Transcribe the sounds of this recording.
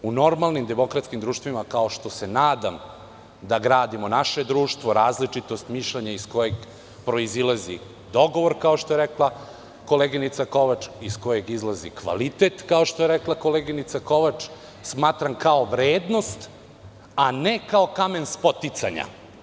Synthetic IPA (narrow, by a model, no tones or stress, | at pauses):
uno̞ɾmalˠnimd̪emo̞kɾat̪skimd̪ɾuːʃt̪vimakao̞ʃt̪o̞senaːd̪am | d̪aɡɾaːd̪imo̞naʃe̞d̪ɾuːʃt̪vʋo̞ɾaːzlit͡ʂit̪o̞st̪miʃlʎeɲaisko̞jeɡ | pɾo̞izilazḭ | d̪o̞ɡo̞ʋoɾkao̞ʃt̪o̞jeɾeklˠa | ko̞leɡinit̪sako̞ʋat͡ʃisko̞je̞ɡizlˠazḭkʋa̰lit̪et̪kao̞ʃt̪o̞jeɾeklˠako̞leɡinit̪sako̞ʋat͡ʂ | smaːt̪ɾamkaoʋɾeːd̪no̞st̪ | anekaokame̞nspo̞t̪it̪saɲa̰